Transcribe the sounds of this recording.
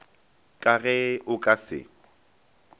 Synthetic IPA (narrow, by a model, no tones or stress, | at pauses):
kʼaɣɛʊkʼasɪ̰